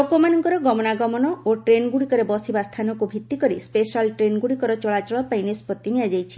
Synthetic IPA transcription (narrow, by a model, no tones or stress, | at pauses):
ɔkomanɔŋkɔɾɔɡɔmɔnaɡɔmɔnɔoʈɾenɡuɽikɔɾebɔsibast̪ʰanɔkubʱit̪ːikɔɾispesalʈɾenɡuɽikɔɾɔt͡ʃɔɭat͡ʃɔɭɔpajnespɔt̪ːiniad͡ʒajt͡ʃʰi̥